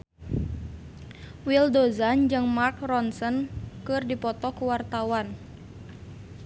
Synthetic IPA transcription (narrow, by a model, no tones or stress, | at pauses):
wildozand͡ʒɨŋmark̚rɔnsənkɨrdipɔt̪ɔkuwart̪awan